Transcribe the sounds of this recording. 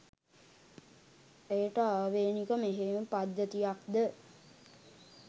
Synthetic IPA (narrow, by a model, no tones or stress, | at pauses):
ejəʈəaːʋeːnikəmeɦeməpad̪jət̪ijakd̪ə